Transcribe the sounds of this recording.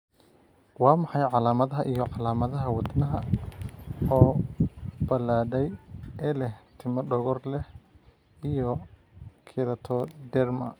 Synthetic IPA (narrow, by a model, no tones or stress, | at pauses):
wɑːmɑħɑjʕɑlaːmɐðɐɦɐʔijɔʕɑlaːmɐðɐɦɐwɐd̪nɐɦɐ | ɔː | b̥ɐlaːɖɛjʔɛlɛht̪ʰɪmɐɖɔɣɔrlɛh | ijɔ | kʰɪlɐt̪ʰɔd̪ɛrmɐ